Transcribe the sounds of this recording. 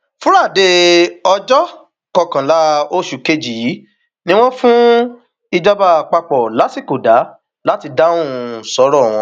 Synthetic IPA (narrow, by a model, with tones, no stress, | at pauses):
fũ˦ɾa˦˨de˧ɔ˧d͡ʒɔ˦ | kɔ˧kã˨la˨˦o˦ʃu˨ke˧d͡ʒi˨˦ | nĩ˦w̃ɔ̃˦fũ˦ | i˧d͡ʒɔ˧ba˧˨k͡pa˧k͡pɔ˨la˨˦si˦˨ko˨da˨˦ | la˦ti˧da˦ũ˦˨sɔ˨˦ɾɔ˦˨w̃ɔ̃˧